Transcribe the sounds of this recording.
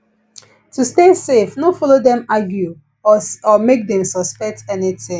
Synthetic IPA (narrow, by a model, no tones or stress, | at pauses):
tustesefnofɔlodɛ̃maɡju | ɔmek̚dɛ̃msɔspɛk̚tɛnitɪ̃ŋ